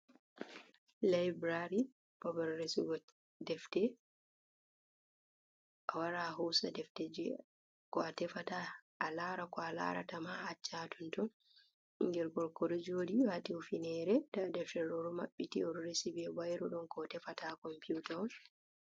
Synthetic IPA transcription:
lajbɾaɾi | bɔbaɾːesiɡɔ | dɛftɛ | ʔawaɾaɦɔwsadɛftɛd͡ʒɛ | kɔatɛfataː | laːɾakɔala̰ɾa̰tamaːt͡ʃːatʰɔntɔn | iŋɡɛɾɡɔlkɔɾid͡ʒodiwatifinɛɾɛdadɛfɛɾɔɾɔmaɓːitiɔɾɾesibɛbajɾɔɗɔnkɔtɛfatakɔmputan

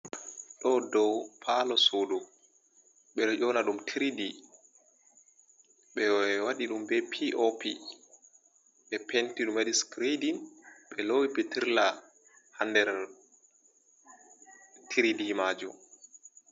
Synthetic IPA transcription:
ɗɔdɔwpʰalɔsoːdu | ɓɛɗɔʔɔnaɗumtʰiɾidi | ɓɛwaɗiɗumbɛpʰiʔɔpi | ɓɛpʰentiɗumadiskɾidinɓɛlowipɛtiɾla | handɛɾ | tʰiɾidihmaːd͡ʒṵ

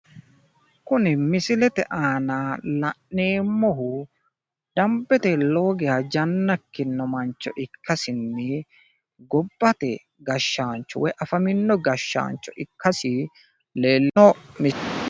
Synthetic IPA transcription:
kʊnɪmɪsɪlɛt̪ɛʔaːnaːlɐʔne̞ːmːɔɦʊ | d̪̥ɐmbɛt̪ɛlo̞ːɡɛhɐd͡ʒɐnːɐkːɪnːɔmɐnt͡ʃːɔ̰ʔɪkʰːɐsɪnːɪ | ɡɔbːɐt̪ɛ | ɡɐʃːaːnt͡ʃːɔwɔjʔɐfɐmɪnːɔɡɐʃːa̰ːnt͡ʃːɔʔɪkːɐsɪ | leːlːɔmɪ

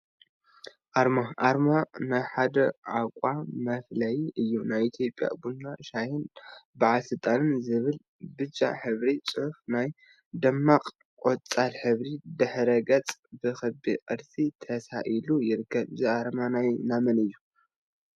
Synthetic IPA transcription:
ʔaɾmaʔaɾmanajħad̪ɐʕakʷʼamɐflɐjʔɨjːunajit̪ʰjo̞pʼja̰bunːaʃajɨnbɨʕasɨt̪ʼanɨnzɨβɨl | bɨd͡ʒa̰ħɨβɾit͡sʼɨħufnaj | d̪ɐmːaqʼ | kʼot͡sʼalħɨβɾid̪ɨħɾɐɡɐt͡sʼbɨxɨbiqʼɨɾsit̪ʰɐsaʔilujɪɾɨkʰːɐβziaɾmanajnamɐnɨjːu

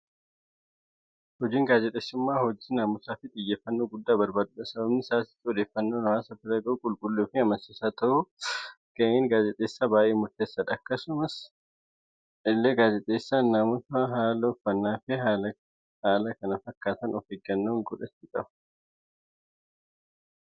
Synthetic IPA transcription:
hɔd͡ʒiːŋɡaːd͡ʒɛt̪ʼeːsːʊmːaːhɔd͡ʒiːnaːmʊsaːfɪᶑ̪ʼɪjːeːfːɐnːoːɡʊd̪ːaːbɐɾbaːd̪ʊᶑɐsɐbɐbnɪsaːsɪ̥t̪ːɔd̪eːfːɐnːoːnɐwaːsɐt̪ːɪɾɐɡɐʊkʼʊlkʼʊlːuːfɪɐmɐnsɪsaːt̪ɐʔʊ | ɡɐeŋɡaːd͡ʒɛt̪ʼːeːsːaːbaːʔeːmʊɾt̪eːsːɐᶑ̪ɐkːɐsʊmɐs | ɪlːeːɡaːd͡ʒɛt̪ʼːeːsːaːnːaːmʊsaɦaːlɐɔfːɐnːaːfɪaɐ | haːlɐkɐnɐfɐkːaːt̪ɐnɔfeɡɐnːoːŋɡɔᶑɐt̪ːɪkʼɐbɐ̥

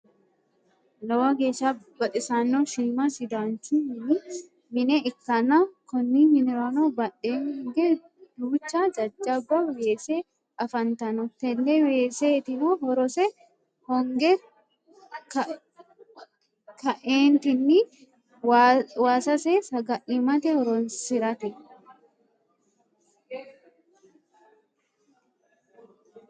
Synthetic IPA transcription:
nɔwɐɡeːʃa | bɐt̪ʼɪsaːnːoʃiːmasɪd̪aːnt͡ʃumɪnɪ | mɪnɛʔɪkːɐnakɔnːimɪnɪɾaːnobɐᶑeːŋɔŋɡɛ | d̪̥uːt͡ʃːad͡ʒɐd͡ʒːɐbːɐweːse | ʔɐfɐnt̪ɐnɔt̪ɛlːɛweːseːt̪ɪnoɦɔɾɔsɛ | hɔŋɡɛ | k | kɐʔeːnt̪ɪnːi | waːsɐseːsɐɡɐʔɪmɐt̪ɛhɔɾɔnsɪɾɐt̪ɛ

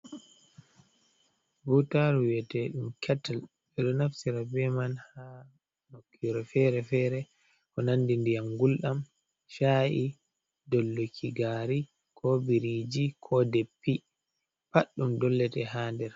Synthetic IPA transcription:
butaɾwɛtɛɗumkʰɛtal | ɛɗɔnaftiɾabɛmanha | nokːiɾɛfɛɾɛfɛːɾɛ | kɔnandindijamɡulɗam | ʃaʔi | dɔlːokʰiɡaːɾi | kʰɔbiɾid͡ʒikʰɔdɛpːi | paɗːumdɔlːɛtɛhaːndɛɾ

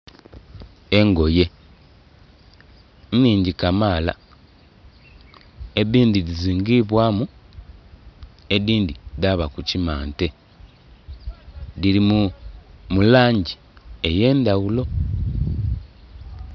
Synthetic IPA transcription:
e̞ŋɡo̞je̞ | nniːɲɟikamaːla̰ | eβiːndiðiziːŋɡiβwaːmu | eβiːnd̪idaβakucimaːnte̞ | ðiɾimu | mulaːɲɟi | e̞je̞ːnd̪awulo̞

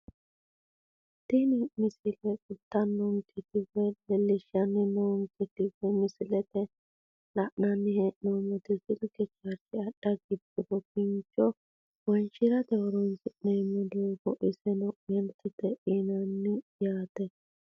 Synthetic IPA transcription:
t̪ɪnɪmɪsɪlɛkʊt̪ːɐnːɔŋkʰɛt̪ɪbɛlɛlːɪʃɐnːɪnɔŋkɛt̪ɪbɛmɪsɪlɛt̪ɛ | lɐʔnanːɪhɛʔnɔmɔt̪ɪzɪlkɛt͡ʃːaɾt͡ʃɪɐɗ̥ːɐɡɪbɪɾɔkɪnt͡ʃːɔ | wɔnt͡ʃɪɾɐt̪ɛwɔɾɔnsɪʔnɛmɛd̪oɡɔʔɪsɛnɔɡɛnt̪ːɪt̪ɛʔinɐnːɪjaːt̪ɛ

